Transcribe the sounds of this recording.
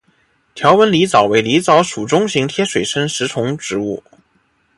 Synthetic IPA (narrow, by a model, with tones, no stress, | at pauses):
t̪ʰjɑ˧˥ʊwə˧˥nli˧˥t͡sɑ˨˩ʊwe˧˥ɪli˧˥t͡sɑ˧˥ʊʂu˨˩ʈ͡ʂʊ˥ŋɕi˧˥ŋt̪ʰjɛ˥ʂwe˨˩ɪʂə˥nʂɻ̩˧˥t͡sʰʊ˧˥ŋʈ͡ʂɻ̩˧˥ṵ˥˩